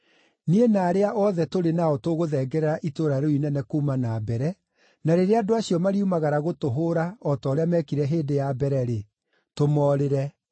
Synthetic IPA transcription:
nienaːɾeaʔɔðɛtoɾenaɔtoɣoðɛːɡɛɾɛɾaʔitoːɾaɾoinɛnɛkuːmanabɛɾɛ | naɾeɾeaːdoaɕjɔmaɾiumaɣaɾaɣotoɦoːɾaɔtɔːɾeamɛːkiɾɛɦeːdejabɛɾɛɾe | tomɔːɾeɾɛ

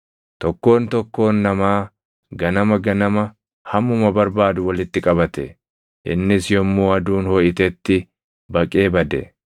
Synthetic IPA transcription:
t̪ɔkːo̞ːnt̪ɔkːo̞ːnːɐmaː | ɡɐnɐmɐɡɐnɐmɐ | hɐmʊmɐbɐɾbaːd̪ʊwɐlɪt̪ːɪkʼɐbɐt̪ɛ | ʔɪ̰nːɪsjɔmːuːɐd̪uːnhɔʔɪt̪ɛt̪ːɪ | bɐkʼe̞ːbɐd̪ɛ̰

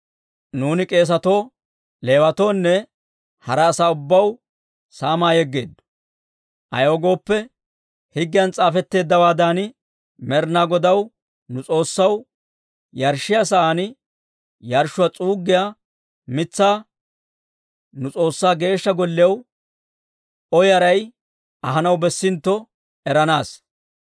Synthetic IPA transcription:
nuːnɪkʼe̞ːs̬ɐt̪o̞ː | le̞ːwɐt̪o̞ːnːɛ | hɐɾɐːsaːʊbːɐw | saːmaːjɛɡːe̞ːd̪ːɔ̥ | ʔɐ̰joːɡo̞ːpːɛ | hɪɡːɪjɐnt͡sʼaːfɛt̪ːe̞ːd̪ːɐwaːd̪an | mɛɾnaːɡɔd̪ɐw | nʊt͡sʼo̞ːsːɐw | jɐɾʃːɪjas̬ɐaːn | jɐɾʃʊɐt͡sʼuːɡːɪja | mɪt͡sːaː | nʊt͡sʼo̞ːsːaːɡe̞ːʃːɐɡɔlːɪjɐw | ɔjɐɾɐj | ʔɐɦɐnɐwbɛsːɪnt̪ːɔ | ɛɾɐnaːs

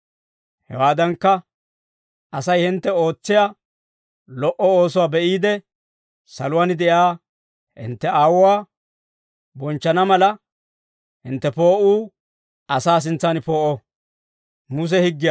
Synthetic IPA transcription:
hɛ̰waːd̪ɐŋkːɐ | ɐsɐjhɪnt̪ːɛo̞ːt͡sːɪja | lɔʔɔo̞ːs̬ʊwaːbɛʔiːd̪ɛ | sɐlʊwaːnɪd̪ɛʔjaː | hɪ̰nt̪ːɛaːwʊwaː | bɔnt͡ʃːɐnɐmɐlɐ | hɪ̰nt̪ːɛpo̞ːʔuː | ɐsaːs̬ɪnt͡sːanpo̞ːʔɔ | mʊs̬ɛhɪɡːɪjɐ

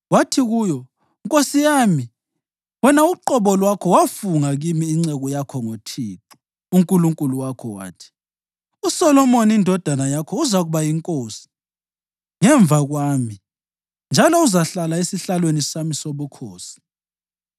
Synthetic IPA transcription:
watʰiɣujɔ | ŋkʼosijaːmi | wɛnauǃɔβɔlwakʰɔwafuŋaɣimiːŋ͡ǀeɣɔjakʰɔŋotʰiːtʰu̥ | uŋkʼuluŋkʼuluwakʰɔwa̰ːtʰi̥ | usɔlɔmonindʱɔd̥ʱanajakʰɔuzaɣuβaiŋkʼoːsi̥ | ŋɛɱb̪vaɣwaːmi | nd͡ʒʱalɔuzaɬalaesiɬalwenisamisoβukʰoːsi̥

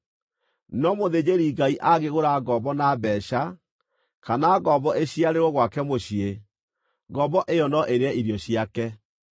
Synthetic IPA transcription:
nɔmoðed͡ʑeɾiːɡaiʔaɣeɣoɾaɡɔbɔnabɛːɕa | kanaɣɔβɔʔeɕiaɾeɾwɔɣwakɛmoɕie | ɡɔβɔʔejɔnɔʔeɾeaiɾjɔɕiakɛ

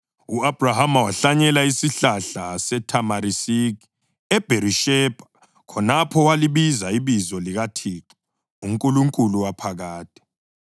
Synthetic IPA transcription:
uab̥ʱrahamawaɬaɲɛlaisiɬaɬaːsɛtʰamaɾisiki | ɛb̥ʱeɾiʃɛːpʼḁ | kʰɔnapʰɔwaliβizaiβizɔliɣatʰiǁɔ | umkʼuluŋkʼuluwapʰaɣaːt̚ʼi̥

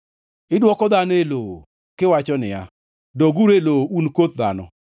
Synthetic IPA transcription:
ɪdwɔkɔd̪anɔelo | kɪwat͡ʃɔnɪja̰ | doɡuɾelounkot̪̚d̪anɔ̰

